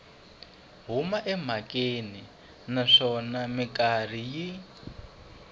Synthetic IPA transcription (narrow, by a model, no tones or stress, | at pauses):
ɦumaʔɛm̤akʼeni | naʂɔnamikar̤iji